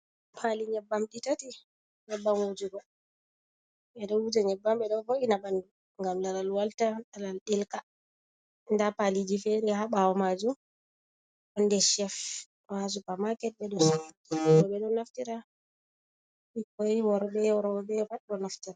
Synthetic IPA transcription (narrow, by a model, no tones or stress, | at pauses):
pʰaliɲɛbːamɗitati | ɲɛbːamwod͡ʒuɡɔ | ɓɛɗɔwud͡ʒaɲɛbːamɓɛɗɔvoʔinaɓandu | ŋɡamlalalwaltaɗalalɗilka | ndapalid͡ʒifɛɾɛhaɓawɔmad͡ʒu | ɔndɛʃɛf | ɔhas̬upamakɛt̚ɓɛɗɔsawa | ɔɗɔɓɛɗɔnaftiɾa | ɓikɔwɔɾɓɛɾɔbɛfaɗɗɔnaftiɾa